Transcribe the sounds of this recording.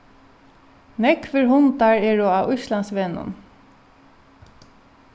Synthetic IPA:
nɛkʰvɪɹɦʊnt̪aɹɛːɹɔaʊʃlansʋɛnʊ̰n

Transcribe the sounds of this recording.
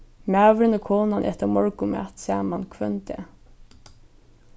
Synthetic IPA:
mæʋɪɾnəkʰɔːnanʔɛ̰ht̪əɾmɔɹkʊma̰t̪sæːmankʰvœnt̪ɛ̰

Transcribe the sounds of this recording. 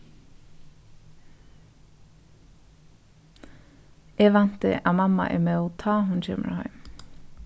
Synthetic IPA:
ʔeːʋɑnt̪ə̰ʔɑːmɑmɑ̰ʔḛːmeːoːt̪ʰɑːhʊnc͡çɪmə̰ɹhœ̰ʏm

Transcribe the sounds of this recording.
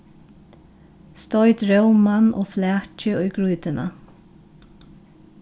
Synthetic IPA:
st̪ɔʏt̪ɹœwmanʔɔ̰ːflɛːt͡ʃɪʊjɡɹujt̪ɪna̰

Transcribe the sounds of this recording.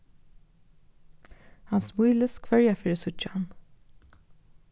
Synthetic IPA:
hansmujləskʰvœɹjafɪːɾɪsʊt͡ʃːhan

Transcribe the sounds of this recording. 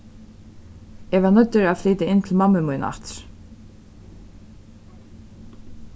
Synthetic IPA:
ɛɣvaɾnœt̪ːʏɾaðfliːt̪ɪɪnt̪ʰɪlmamːəmujnʔa̰ht̪

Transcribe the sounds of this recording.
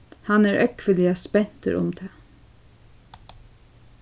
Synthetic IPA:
hɑnæːɹʔœkfəlɪɑspɛnt̪ə̰ɾʔʊ̰md̪ʰeː

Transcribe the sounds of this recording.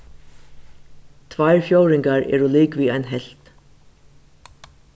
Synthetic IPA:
t̪ʰʋajɹfjowɾɪŋkaɹɛ̰ːɹuliːkʋiːajnɦɛl̥t̪

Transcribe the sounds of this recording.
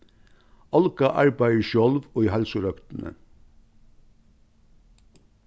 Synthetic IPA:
ɑlkɑʔɑ̰ɹbæɪəʃɔlʋoːiːhælsʊɾœpt̪n̩ʔə̰

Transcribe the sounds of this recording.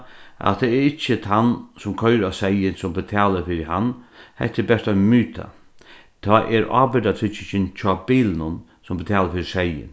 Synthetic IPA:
ʔa̰t̪ʰːɛɛɾɪt͡ʃːət̪ʰansʊmkʰœʏɾasɛjɪnsʊmbɪt̪ʰɛːləfɪɾɪhanːhɛ̰ht̪ːɪbɛʂt̪anmyːt̪ʰa̰ | t̪ʰɔːʔɛɾɑ̰ːbɪd̪at̪ʰɪt͡ʃɪɕɪnt͡ɕʰɔːbiːlənʊn | sʊmbɪt̪ʰɛːləɾfɪɾɪsɛjɪ̰n

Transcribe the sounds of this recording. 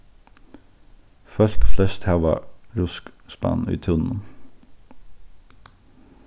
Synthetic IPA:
fœlkflɛst̪hæʋɑ̰ɹʊskspɑ̰ny̰ːt̪ʰʉnn̩

